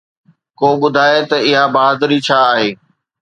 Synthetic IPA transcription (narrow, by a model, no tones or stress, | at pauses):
koːɓʊd̪ʱaːet̪ɐɪɦabɐɦaːd̪ɾit͡ɕʰaːɦeː